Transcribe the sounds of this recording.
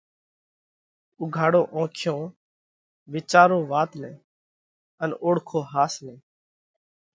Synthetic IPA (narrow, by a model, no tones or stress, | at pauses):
ʊɡʱaːɽõːʔõːkʰɪjõː | ʋɪt͡ʃaːɾõːʋaːt̪nɛ̰̃ː | ənoːɽkʰõːɦaːsnɛ̃ː